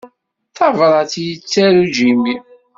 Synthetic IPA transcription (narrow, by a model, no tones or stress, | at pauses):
θɑvɾˤɑt͡sjət͡sːæɾud͡ʒimi